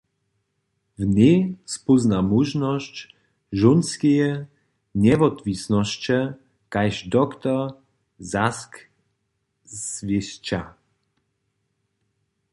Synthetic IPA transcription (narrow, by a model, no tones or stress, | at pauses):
vnʲespuznamuʒnɔɕt͡ɕ | ʒunskʲijɛ | ɲɛvɔt̪visnɔɕt͡ɕɛ | kajʃd̪ɔkt̪ɔ | zask | svʲiɕt͡ɕa